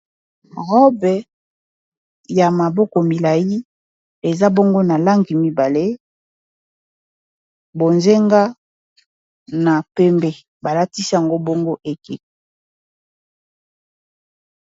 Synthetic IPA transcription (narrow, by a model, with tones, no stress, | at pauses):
ʁɔ˦bɛ˨ | ja˨ma˨bɔ˦kɔ˨mi˨la˨ji˦ | e˨za˦bɔ˦ŋɡo˦na˨la˦ŋɡi˨mi˦ba˨le˦ | bo˨nze˦ŋɡa˦ | na˨pɛ˦mbɛ˨ | ba˨la˦ti˦si˦a˨ŋɡo˦bo˦ŋɡo˦ʔe˨ke˨